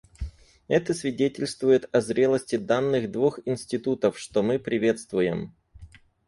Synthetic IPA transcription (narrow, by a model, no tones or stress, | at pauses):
ɛt̪əsvʲɪdʲetʲɪlʲst̪vʊjɪt̪ɐzɾʲe̞lˠəsʲtʲɪd̪anːɨxd̪vuxɪnsʲtʲɪt̪ut̪əfʂt̪omɨpɾʲɪvʲe̞t̪st̪vʊjɪm